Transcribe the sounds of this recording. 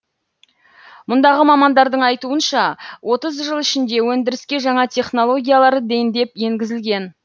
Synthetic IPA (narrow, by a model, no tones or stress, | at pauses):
mʊnd̪ɑʁəmɑmɑnd̪ɑɾd̪əɴɑjt̪uənʃɑwʔo̞t̪əzʒəlˠɪʃɪnd̪e̞wɵnd̪ɪɾɪskʲe̞ʒɑɴɑt̪ʲʰe̞χno̞lˠo̞ɡʲijalˠɑɾəd̪ejnd̪e̞pje̞ŋɡʲɪzɪlɡʲe̞n